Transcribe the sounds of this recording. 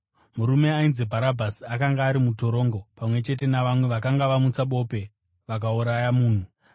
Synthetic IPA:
muɾume̞ainzebʱaɾabʱasiakaŋɡaːɾimuto̞ɾo̞ːŋɡo̞pamwe̞t͡ʃe̞t̬e̞naʋamwe̞ʋakaŋɡaʋamut͡saɓo̞pe̞ | ʋak̬auɾajamuːn̤u

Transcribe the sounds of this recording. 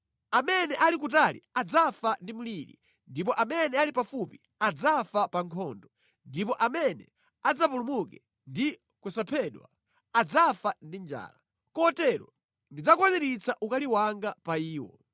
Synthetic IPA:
amɛnɛʔalik̬utalḭad͡zafandimuliɾḭ | ndip̬ɔʔamɛnɛalipafupi | ad͡zafapaŋkʰɔndɔ | ndipɔʔamɛnɛ̰ | ad͡zapulumukɛ | ndi | kwɛsapʰɛɗwa̰ | ad͡zafandind͡ʒa̰ːla | kɔtɛɾɔ̰ | ndid͡zakwaniɾit͡sʰaʔukaliwaŋɡapaiːwɔ̰

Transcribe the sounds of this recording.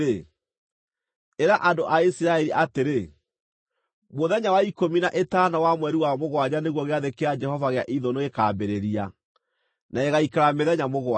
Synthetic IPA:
e | eɾaʔandoʔaisiɾaɛɾiʔateɾe | moðɛɲawaikominaʔetanawamwɛɾiwamoɣwaɲaneɣwɔɣeaðekead͡ʒɛhɔvaɣeaʔiðonoekaːbeɾeɾia | naeɣaikaɾameðɛɲamoɣwa

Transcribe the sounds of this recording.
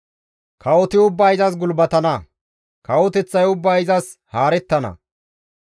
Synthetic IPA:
kʰɐɔt̪ɪʊbːɐɪzɐs̬ɡʊlbɐt̪ɐnɐ | kɐwɔt̪ɛt͡sːɐjʊbːaɪzɐs | haːɾɛt̪ːɐnɐ̰

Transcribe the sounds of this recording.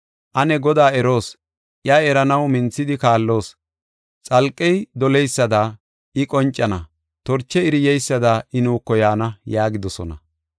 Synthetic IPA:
ʔɐnɛɡɔd̪aːɛɾo̞ːs | ʔjɐɛɾɐnɐwmɪnt͡sːɪd̪ɪkaːlːo̞ːs | t͡sʼɐlkʼːɛjd̪ɔlɛjsːɐd̪aː | ɪkʼɔnt͡ʃʼːɐnɐ | t̪ɔɾt͡ʃːɛɪɾɪjɛjsːɐd̪aʔɪnuːkːɔjaːnɐjaːɡɪd̪ɔsɔ̰nɐ̰

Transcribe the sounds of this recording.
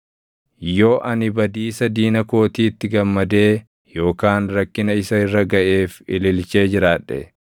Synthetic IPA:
jo̞ːʔɐnɪbɐd̪iːsɐd̪iːnɐko̞ːt̪iːɪt̪ːɪɡɐmːɐd̪eː | jo̞ːkaːnɾɐkːɪnɐɪsɐɪrːɐɡɐʔeːfɪ̰lɪlt͡ʃe̞ːd͡ʒɪɾaːᶑːɛ̰

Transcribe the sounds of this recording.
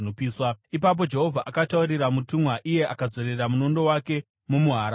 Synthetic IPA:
opiːswaip̬ap̬o̞d͡ʒe̞ɦo̞vʱaʔakatauɾiɾamutumwaʔije̞ʔakad͡zo̞ɾe̞ramuno̞ndo̞wake̞ | mumuɦaɾ

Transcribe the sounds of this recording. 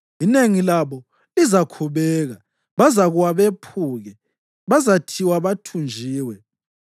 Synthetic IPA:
ineŋilaβɔ | lizakʰuβɛɣa | βazaɣuwaβepʰuːɣɛ | βazatʰiwaβatʰund͡ʒʱiːwɛ

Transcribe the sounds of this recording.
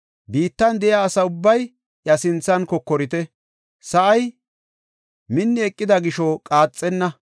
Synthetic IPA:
biːt̪ːɐnd̪ɛʔjaːsɐʊbːɐj | ʔjɐsɪnt͡sːɐnkɔkːɔɾɪt̪ɛ | sɐʔɐj | mɪnːɪɛkʼːɪd̪ɐɡɪʃɔkʼaːt͡sʼːɛnːɐ

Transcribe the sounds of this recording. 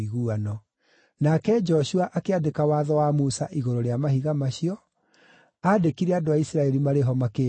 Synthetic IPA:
iɣuanɔ | nakɛd͡ʒɔɕuaʔakeadekawaðɔwamusaʔiɣoɾoɾeamahiɣamaɕiɔ | aːdekiɾɛadoaisɾaɛɾimaɾeɦɔmake

